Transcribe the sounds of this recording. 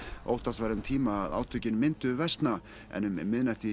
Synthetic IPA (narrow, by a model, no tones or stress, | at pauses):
o̰wht̪asvajɾʏmt̪ʰiːmaːða̰wt̪ʰʏcɪnmːɪnt̪ʏvɛst̪na | ɛ̰nʏmmːɪðnɛht̪ɪ